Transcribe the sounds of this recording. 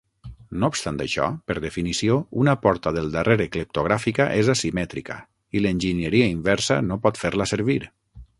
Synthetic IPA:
noupst̪ant̪əʃɔ̰pəɾðəfinisiounəpɔɾt̪əðəlˠd̪əreɾəkləp̚t̪oɣɾafikəʔezasimɛt̪ɾikə̰ | ilənʲʒinjəɾiəimbɛɾsə̰nopɔt̪feɾləsəɾβiɾ

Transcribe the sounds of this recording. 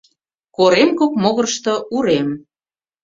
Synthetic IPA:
koɾemkok̚moɣɤ̆rʃt̪ŏʔuɾem

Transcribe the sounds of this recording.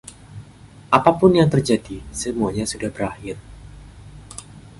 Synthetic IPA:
ʔapapʊnjaŋt̪ərd͡ʒadisəmuaɲasudahbəɾahɪr

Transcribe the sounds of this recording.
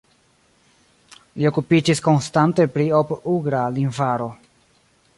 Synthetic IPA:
lio̞kupid͡ʒisko̞nstante̞pɾiopuɡɾalinvaɾo̞

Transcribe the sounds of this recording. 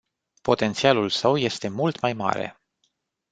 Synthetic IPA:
po̞t̪ent̪sialulsəwje̞st̪e̞mult̪majma̰ɾḛ

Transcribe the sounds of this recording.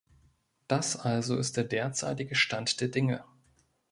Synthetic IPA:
d̥asʔalzoɪst̚d̥eːɐdeːɐt͡sa̰ɪtɪɡəʃtantd̥eːɐdɪŋə

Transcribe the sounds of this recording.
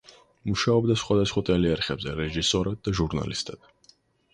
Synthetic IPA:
muʃaɔbd̪asχwad̪asχwat̪ʼɛliaɾχɛbzɛɾɛʒisɔɾad̪̚d̪aʒuɾna̰list̪ʼɛd̪̥

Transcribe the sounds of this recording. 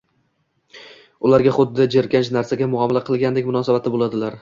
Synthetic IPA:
ʊlaɾɡʲaχʊd̪ːɪd͡ʒeɾkʲant͡ʃnaɾsaɡʲamʊɒmalaqʰɨlˠɡʲand̪ekʲmʊnɒsabat̪ʰɪbolˠad̪ɪlaɾ

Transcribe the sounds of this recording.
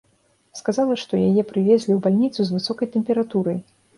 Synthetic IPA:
skazalˠɐʂt̪ɔjajɛpɾɨvʲɛzʲlʲiwbalʲnʲit̪suzvɨsɔkɐjt̪ɛmʲpʲɛɾat̪uɾɐj

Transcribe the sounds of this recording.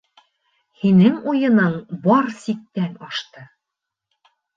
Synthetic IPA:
hinɘŋujɤ̆nɤɴbɒɾsik̚t̪ænɒʃt̪ɤ

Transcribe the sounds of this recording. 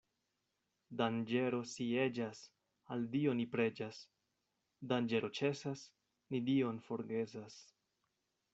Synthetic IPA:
dand͡ʒe̞ɾo̞sie̞d͡ʒas | aldio̞nipɾe̞d͡ʒas | dand͡ʒe̞ɾʔo̞t͡ʃe̞sas | nidio̞nfo̞ɾɡe̞zas

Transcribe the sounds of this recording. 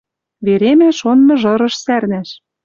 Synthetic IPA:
βeɾemæʃonːɤ̆ʒɤ̆ɾɤ̆ʃsærnæʃ

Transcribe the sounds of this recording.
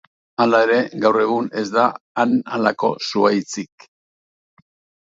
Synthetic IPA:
alae̞ɾe̞ɡawre̞ɣ̞une̞zd̪aːnalako̞̰suajt͡sik

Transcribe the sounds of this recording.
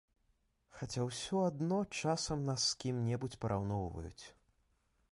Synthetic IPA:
xat͡sʲawsʲɔad̪nɔt͡ʂasɐmnɐskʲimnʲɛbut͡sʲpɐɾʔawnɔwvɐ̰jṵt͡sʲ

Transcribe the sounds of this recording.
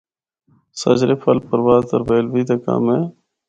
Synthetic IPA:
sə̰d͡ʒɾeːpʰəlpəɾʋaːzt̪əɾbeːlʋiːd̪eːka̰ːmeː

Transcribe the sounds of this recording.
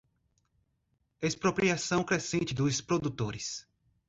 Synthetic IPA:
espɾopɾiasɐ̃w̃kɾesẽnt͡ʃɪd̪ʊspɾod̪ut̪oɾɪs

